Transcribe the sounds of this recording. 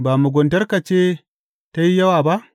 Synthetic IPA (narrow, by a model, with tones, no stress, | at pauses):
ba˨mu˨ɡo˨nta˦ɾka˨t͡ʃe˦ | ta˦ji˦ja˦wa˨ba˦ʔ